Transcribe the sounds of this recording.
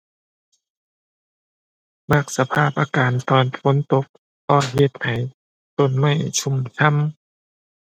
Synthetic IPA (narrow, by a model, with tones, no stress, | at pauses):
ma˧˩k̚sa˧pʰaː˥˩p̚ʔaː˧kaː˨nt̪ɔː˨˧nfo˧˦nt̪o˧˥k̚ | hɔː˧˩jhe˧t̪̚ha˨˩˦j | t̪o˧˩˨nma˥˩jt͡ɕʰu˧˥˨msʰa˧˥˨m